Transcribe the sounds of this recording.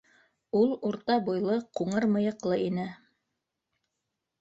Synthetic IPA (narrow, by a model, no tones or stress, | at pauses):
ulˠuɾt̪ɑbujlˠɤquɴɤɾmɤ̆jɤ̆qlˠɤinɘ